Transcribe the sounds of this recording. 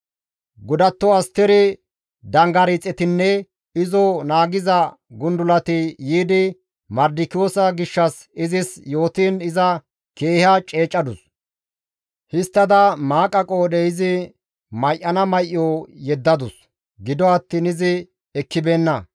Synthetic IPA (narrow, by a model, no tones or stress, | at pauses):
ɡʊd̪ɐt̪ːɔɐst̪ɛɾɪ | d̪ɐŋɡɐɾit͡sʼːɛt̪ɪnːɛ | ɪzɔnaːɡɪzɐ | ɡʊnd̪ʊlɐt̪ɪjiːd̪ɪ | mɐɾd̪ɪkɪjoːsɐɡɪʃːɐs | ɪzɪsjo̞ːt̪iːnɪzɐ | keːhɐt͡ʃʼeːt͡ʃʼːɐd̪ʊs | hɪst̪ːɐd̪ɐmaːkʼɐkʼoːdɛjɪzɪ | mɐjʔːɐnɐmɐjʔːɔjɛd̪ːɐd̪ʊs | ɡɪd̪ɔɐt̪ːiːnɪzɪ | ɛkːɪbe̞ːnːɐ